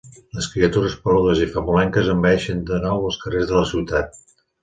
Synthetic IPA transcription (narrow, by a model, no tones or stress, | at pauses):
ləskɾiət̪uɾəspəluðəzifəmulɛŋkəzəmbɛʃənd̪ənɔwəlˠskərezðələsiwt̪at̪̚